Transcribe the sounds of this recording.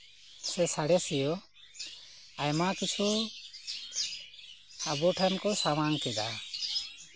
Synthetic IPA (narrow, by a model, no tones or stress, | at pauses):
sɛsaɽɛsɛjɔ | ajmakit͡ʃʰu | abɔʈʰamkɔsawaŋkɛd̪a